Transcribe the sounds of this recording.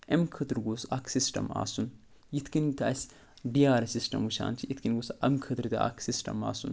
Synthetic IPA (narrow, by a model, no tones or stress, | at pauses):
ɐmkʰɨt̪ɾɡosaksisʈɐ̰ma̰ːsun | jit̪kint̪as | ɖiaːɾɐsisʈɐ̰muʃa̰ːnt͡ʃʰiit̪kinɡosɐʔɐmkʰɐt̪ɨɾd̪ɐa̰ːksisʈɐ̰ma̰ːsṵn